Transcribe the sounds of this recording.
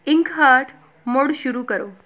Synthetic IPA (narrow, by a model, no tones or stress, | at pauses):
iŋkɦəʈ | moɽɕuɾuːkəɾo